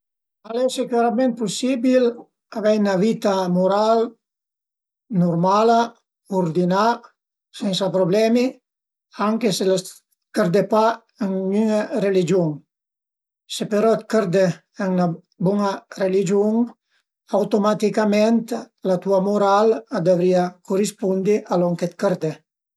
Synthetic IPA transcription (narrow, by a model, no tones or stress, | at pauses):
alɛseklaɾamɛ̃nt̪̚pusibil | avɛynavit̪amuɾal | nuɾmala | oɾd̪ina | sɛnsapɾoblɛmi | aŋkesela | kəɾd̪epa | aŋyŋarelid͡ʒuŋ | sepeɾɔt̪kəɾd̪ɛ | ɛŋna | buŋarelid͡ʒjuŋ | awt̪omat̪ikamɛnt̪ | lat̪uamuɾald̪avɾiakurispund̪iʔalɔŋket̪̚kəɾd̪ɛ